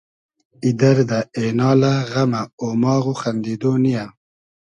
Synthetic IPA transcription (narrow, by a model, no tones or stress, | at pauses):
id̪aɾd̪aenɑːlaɣamaomɑːɣoxand̪id̪onija